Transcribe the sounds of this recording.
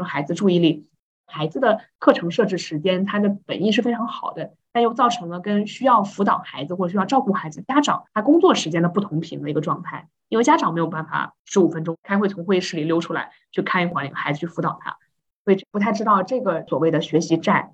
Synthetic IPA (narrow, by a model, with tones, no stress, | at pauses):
xa˧˥ɪd͡zɹ̩˧ʈ͡ʂu˥˧i˥˧li˥˩ | xa˧˥ɪd͡zɹ̩˧d̪ə˨kʰɤ˥˩ʈ͡ʂʰɤ˧˥ŋʂɤ˥˧ʈ͡ʂɻ̩˥˩ʂɻ̩˧˥t͡ɕjɛ˥nt̪ʰa˥d̪ə˨pə˨˩ni˥˧ʂɻ̩˥˩fe˥ɪʈ͡ʂʰɑ˧˥ŋxɑ˨˩ʊd̪ə˦ | t̪a˥˧njo˧ʊt͡sɑ˥˩ʊʈ͡ʂʰɤ˧˥ŋlə˧kə˥nɕy˥jɑ˥˩ʊfu˧˥t̪ɑ˨˩ʊxa˧˥ɪd͡zɹ̩˧xwɔ˥˩˨ɕ̬jɑ˥˧ʈ͡ʂɑ˥˧ʊku˥˩xa˧˥ɪd͡zɹ̩˧t͡ɕja˥ʈ͡ʂɑ̰˨˩˦ŋt̪ʰa˥kʊ˥ŋt͡swɔ˥˩ʂɻ̩˧˥t͡ɕjɛ˥nd̪ə˨p̬u˥˩t̪ʰʊ˧˥ŋpʰḭ˧˥ŋd̪ə˧i˧˥ɡə˧ʈ͡ʂwɑ˥˧ŋt̪ʰa˥˩ɪji˥nwe˥˧ɪt͡ɕa˥ʈ͡ʂɑ˨˩ŋme˧˥ɪo˨˩ʊ̥a˥˩nfa̰˨˩ʂɻ̩˧˥u˨˩fə˥nʈ͡ʂʊ˥ŋkʰa˥ɪxwe˥˩ɪt͡sʰʊ˧˥ŋxwe˥˧˥ʂɻ̩˥˩li˨˩ljo˥ʊʈ͡ʂʰu˥la̰˧˥ɪ | t͡ɕʰy˥˩kʰa˥˧ni˥˩xwa˧˥nli˧˥ŋxa˧˥ɪd͡zɹ̩˧t͡ɕʰy˥˩fu˧˥t̪ɑ˨˩ʊt̪ʰa̰˥ | swɔ˧˥i˨˩ʈ͡ʂpu˧˥a˥˩ɪʈ͡ʂɻ̩˥ɑ˥˩ʊə˩ʈ͡ʂɤ˥˩ɡə˩swɔ˨˩we˥˩ɪd̪ə˩ɕɥɛ˧˥ɕi˧˥ʈ͡ʂa˥˩n